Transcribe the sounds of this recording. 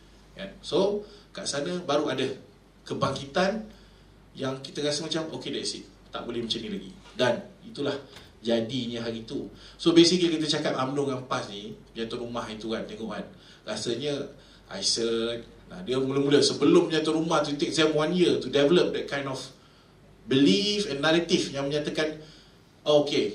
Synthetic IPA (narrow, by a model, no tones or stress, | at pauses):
ʔɛnsokaʔsanəbaɾuadə | kəbaŋkit̪an | jaŋkit̪əkasəmat͡ʃamokedɛt̪isit̪̚ | t̪a̰ʔbolɛhmət͡ʃənilaɡḭdanit̪ulah | d͡ʒadiɲəɦaɾit̪usobesik̚ɲəkit̪̬ət͡ʃakat̪amlʊŋampasniməɲat̪oʔɾumaɦit̪ukant̪eŋɔ̰ʔa̰n | ɾasaɲə | ʔa̰jsət̪̚na̰diəmuləmuləsəbəlʊmbəɲat̪ɔʔɾumaht̪ut̪ek̚dɛmwanjiət̪udɛvələp̚dɛt̪̚kãjnɔf | bilifɛ̃nːaɾət̪ifjaŋməɲat̪akan | oke